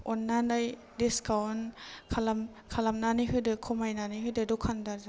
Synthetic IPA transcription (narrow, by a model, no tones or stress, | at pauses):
ɔnːanaj | diskawnkʰalam | kʰalamnanɯjɦɯdɯkʰɔmajnanɯjɦɯdɯdɔkʰandaɾza